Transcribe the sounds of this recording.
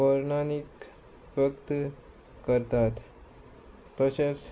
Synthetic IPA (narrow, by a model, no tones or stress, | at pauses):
əɾnanik | ʋəkt̪ | kəɾt̪at̪ | əɕat͡s